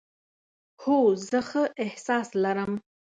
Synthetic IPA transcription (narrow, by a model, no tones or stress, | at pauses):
hozəxəʔehsɑslaɾəm